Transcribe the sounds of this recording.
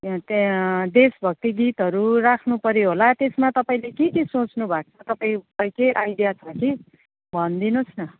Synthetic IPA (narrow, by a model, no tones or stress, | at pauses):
t̪d̪esbʱʌk̚t̪iɡit̪ɦʌɾurakʰnupʌɾjoɦolat̪esmat̪ʌpaĩlekekisot͡snubʱak̚t͡sʰʌt̪ʌpaĩpaĩkeʔajdijat͡sʰʌki | bʱʌnd̪inosnʌ